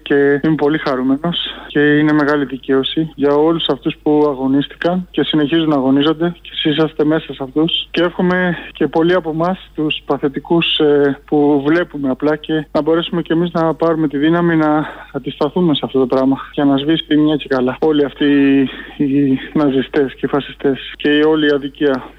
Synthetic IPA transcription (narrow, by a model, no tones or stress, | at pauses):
ce̞ime̞po̞lixɐɾume̞no̞sce̞ine̞me̞ɣɐliðice̞o̞siʝɐo̞lusɐft̪uspuɐɣo̞nist̪i̥kɐnce̞sine̞çizunɐɣo̞nizo̞nd̪e̞ce̞sisɐst̪e̞me̞sɐseɐft̪usceefxo̞me̞ce̞po̞liɐpo̞mɐst̪uspɐθe̞t̪ikuspuvle̞pume̞ɐplɐce̞nɐbo̞ɾe̞sume̞ce̞miznɐpɐɾume̞t̪iðinɐminɐːd̪ist̪ɐθume̞sɐft̪o̞t̪o̞pɾɐmɐʝɐnɐzvisp̪iimɲɐce̞kɐlɐo̞liɐft̪iː | nɐzist̪e̞sce̞ifɐsi̥st̪e̞sce̞io̞liːɐðiciɐ